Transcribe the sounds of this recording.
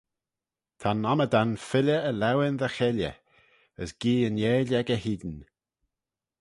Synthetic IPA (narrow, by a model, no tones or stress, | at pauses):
t̪ʰanːaməd̪anfɪlʲəəlɛwɪnðəxɛljə̰ | əsɡ̥iːənjeːlɛɡəɦiːd̪n